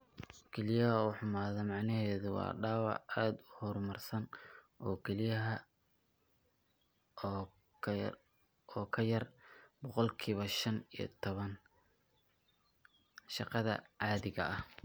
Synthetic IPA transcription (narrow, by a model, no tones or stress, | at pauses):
kʰɛlɪjɐɦɐuːħʊmaːðɔmɑʕnɐɦɛːðʊwɑ̰ːɖaːwɑ̰ʕaːd̪ʊhɔrmɐrsɐn | ʔɔːkʰɛlɪjɐɦɐ | ɔːkʰɐjɐrbɔqɔlkʰiːβɐʃɐnijɞ̰t̪ʰɔβɐn | ʃɑqɑðɐ̰ʕɑːðɪɣɐ̰ʔɐh